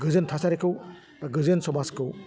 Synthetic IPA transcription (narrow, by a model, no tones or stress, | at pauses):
ɡɯzɯntʰasaɾikʰɯw | baɡɯzɯnsɔmaskɯw